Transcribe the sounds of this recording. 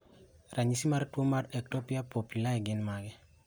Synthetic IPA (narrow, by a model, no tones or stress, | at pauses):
rʔaɲisimaɾtwomaɾɛk̚tɔpijapopulaɛɡɪnmaɡɛ